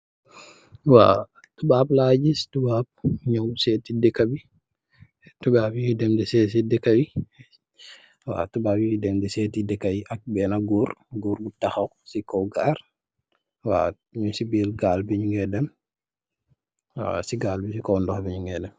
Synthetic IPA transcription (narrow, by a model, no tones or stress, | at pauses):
wa | tubaːblad͡ʒistubaːb̚ɲɔwsɛtidɛkabi | tubabijidɛmdɛsɛs̬idɛkːawi | wa̰tubaːbijidɛmdɛsɛtidɛkːajiʔak̚bɛnaɡuːɾɡuːɾbutaxaw | sikɔwɡaːɾ | wa̰ | ɲusibilɡaːlbiɲuŋɡɛdɛm | wa̰siɡaːlbisikɔwndɔxbiɲuŋɡɛdɛm